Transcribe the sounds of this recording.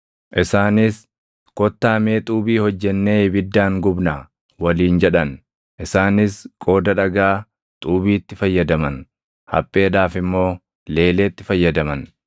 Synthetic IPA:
ʔɪsaːnɪs | kɔt̪ːaːme̞ːt̪ʼuːbiːhɔd͡ʒːɛnːe̞ːbɪd̪ːaːŋɡʊbna | wɐliːnd͡ʒɛᶑɐn | ʔɪsaːnɪskʼo̞ːd̪ɐᶑɐɡaː | t̪ʼuːbiːt̪ːɪfɐjːɐd̪ɐmɐn | hɐ̰pʼːe̞ːd̪aːfɪmːo̞ː | le̞ːle̞ːt̪ːɪfɐjːɐd̪ɐmɐn

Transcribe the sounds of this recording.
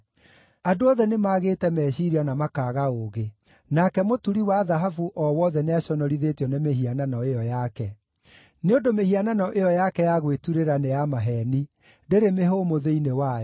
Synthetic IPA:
adoɔðɛnemaːɣeːtɛmɛɕiɾianamakaːɣaoɣe | nakɛmotuɾiwaðaɦafuʔɔwɔðɛneaɕɔnɔɾiðeːtjɔnemeɦiananɔejɔjakɛ | neondomehiananɔʔejɔjakɛjaɣwetuɾeɾanejamaɦɛni | ndeɾemeɦomoðeinewajɔ

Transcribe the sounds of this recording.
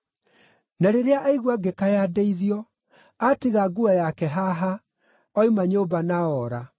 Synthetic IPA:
naɾeɾeaʔaiɣwaɡekajadeiðiɔ | atiɣaɡuajakɛɦaɦa | ɔimaɲoːbanaɔɾa

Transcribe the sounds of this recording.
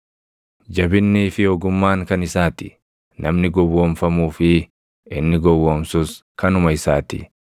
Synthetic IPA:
d͡ʒɐbɪnːiːfɪɔɡʊmːaːŋkɐnɪsaːt̪ɪ̥̰ | nʔɐmnɪɡɔwːoːmfɐmuːfɪ | ɪnːɪɡɔwːoːmsʊskɐnʊmɐɪsaːt̪ɪ̰

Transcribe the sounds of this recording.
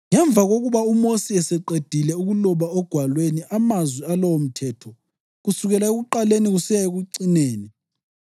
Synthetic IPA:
ŋɛɱb̪vʱaɣoɣuβaumosiɛsɛǃed̥ʱilɛuɣulɔβaɔɡ̥ʱwalweniʔamazwialɔwom̩tʰɛtʰɔ | ɣusuɣɛlaeɣuǃaleniɣusijaeɣuǀineːni

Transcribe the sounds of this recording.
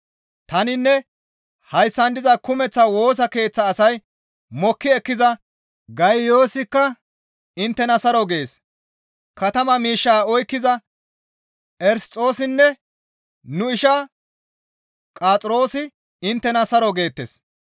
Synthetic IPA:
t̪ɐnɪnːɛ | hɐjsːɐnd̪ɪzɐkʊmɛt͡sːɐwo̞ːs̬ɐke̞ːt͡sːɐːsɐj | mɔkːɪɛkːɪzɐ | ɡɐjjo̞ːsɪkːɐ | ɪnt̪ːɛnɐsɐɾɔɡeeːs | kɐt̪ɐmɐmiːʃːaːɔjkːɪzɐ | ɛɾst͡sʼːo̞ːsɪnːɛ | nʊɪʃa | kʼaːt͡sʼɾo̞ːsɪ | ɪnt̪ːɛnɐsɐɾɔɡe̞ːt̪ːḛs

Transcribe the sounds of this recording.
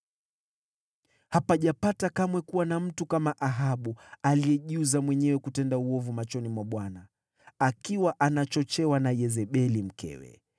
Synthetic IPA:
hapaʄapatakamwɛkuwanam̩tukamaʔaɦaɓualiɛʄuzamwɛɲɛwɛkutɛndauɔvumat͡ʃɔnimwaɓwana | akiwaʔanat͡ʃɔt͡ʃɛwanajɛzɛɓɛlim̩kɛ̰wɛ̰

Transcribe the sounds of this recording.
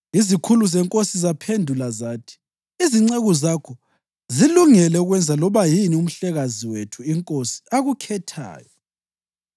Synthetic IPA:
izikʰuluzɛŋkʼosizapʰendʱulazaːtʰi̥ | iziŋ͡ǀeɣɔzakʰɔ | ziluŋɛlɛuɣwɛnd͡zʱalɔβajinium̩ɬɛɣaziwetʰuiŋkʼosi̥aɣukʰɛtʰa̰ːjɔ

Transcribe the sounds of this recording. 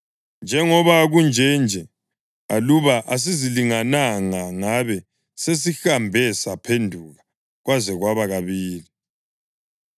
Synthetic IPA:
nd͡ʒʱɛŋɔβaɣund͡ʒʱɛnd͡ʒʱɛ | aluβaʔas̬iziliŋanaŋaŋaβɛ | sesixambʱɛsapʰendʱuɣa | ɣwazɛɣwaβaɣaβiːli

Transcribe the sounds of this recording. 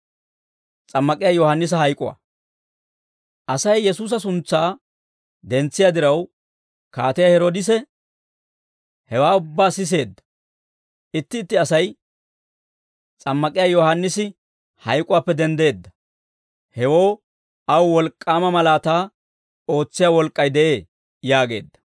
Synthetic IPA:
t͡sʼɐmːɐkʼɪjaːjɔhɐnːɪs̬ɐhɐjkʼʊ̰wa̰ | ʔɐsɐjːɛsuːs̬ɐs̬ʊnt͡sːaː | d̪ɛnt͡sːɪjad̪ɪɾɐw | kaːt̪ɪjahɛɾoːd̪ɪs̬ɛ | hɛwaːʊbːaːsɪs̬e̞ːd̪ːɐ̥ | ʔɪt̪ːɪːt̪ːɪɐsɐj | t͡sʼɐmːɐkʼɪjaːjɔhanːɪsɪ | hɐjkʼʊwaːpːɛd̪ɛnd̪e̞ːd̪ːɐ̥ | hɛwo̞ː | ɐwwɔlkʼːaːmɐmɐlaːt̪aː | o̞ːt͡sːɪjaːwɔlkʼːɐjd̪ɛʔe̞ː | jaːɡe̞ːd̪ːɐ̥

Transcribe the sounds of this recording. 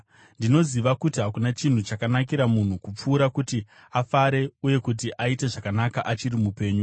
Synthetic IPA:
ndino̞ziʋakutiɦakunat͡ʃin̤ut͡ʃakanakiɾamun̤ukup͡fuːɾakuti | afaɾe̞uje̞kut̬iʔaite̞ʐakanakaʔat͡ʃirimupe̞ːɲu

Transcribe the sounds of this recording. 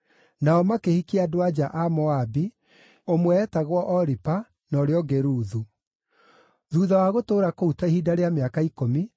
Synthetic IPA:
naɔmakehikiadoad͡ʒaʔamɔabi | omwɛːtaɣwɔʔɔɾipa | nɔɾeɔɡeɾuːðu | ðuːðawaɣotoːɾakoutahiːdaɾeameakaikomi

